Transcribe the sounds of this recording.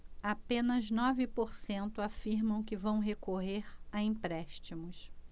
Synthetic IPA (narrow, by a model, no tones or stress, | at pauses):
apẽnɐznɔvɪpoɾsẽnt̪ʊafiɾmɐ̃w̃kɪvɐ̃w̃ɦekoɦeɾaĩmpɾɛʃt͡ʃimʊs